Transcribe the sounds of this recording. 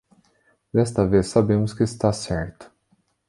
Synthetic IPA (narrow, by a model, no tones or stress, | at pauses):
d̪ɛst̪ɐvesːabẽmʊskɪːst̪asɛɾt̪ʊ̥